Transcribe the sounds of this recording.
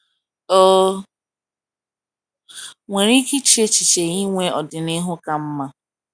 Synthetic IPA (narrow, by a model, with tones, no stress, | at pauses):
o˦ | ŋʷe˨ɾi˦ki˦t͡ʃi˦e˦t͡ʃi˨t͡ʃe˨ɣi˦ŋʷe˦ɔ˨dɪ˨nɪ˦ɦʊ˦ka˦m̩˦ma˦